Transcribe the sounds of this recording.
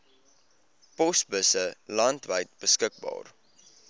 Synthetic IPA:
pɔsbəsəlɐntvəjt̚bəskək̚bɑ̰ːr

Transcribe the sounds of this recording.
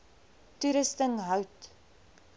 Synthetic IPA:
tuɾəstəŋɦœwt

